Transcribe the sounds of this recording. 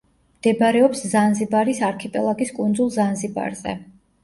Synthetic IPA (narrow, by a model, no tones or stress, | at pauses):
md̪̥ɛbɾɛɔpszanzibaɾisaɾkʰipʼɛlˠaɡiskʼund̪zulˠzanziba̰ɾz̥ɛ̰